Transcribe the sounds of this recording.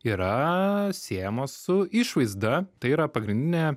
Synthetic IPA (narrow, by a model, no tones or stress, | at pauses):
iɾɐsʲeːɛjɛmoːssʊɪʃʋɐɪzd̪ɐt̪ɐɪiːɾɐpɐɡɾʲɪnʲd̪ʲɪnʲɛ